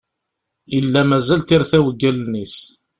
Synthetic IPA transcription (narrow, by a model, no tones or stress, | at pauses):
ilːæmæzælt̪iɾθæwəɡːælnis